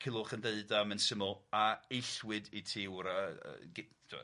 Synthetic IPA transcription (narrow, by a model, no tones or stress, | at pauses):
kʰɪlˠʊχəndeɨdamɛnsəmɔlˠaejɬwɪditʰiwɾaə̰ɡdʰɪwɛ̰